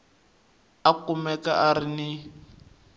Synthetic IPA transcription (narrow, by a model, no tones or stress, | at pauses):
akumɛka̰ʔaɾini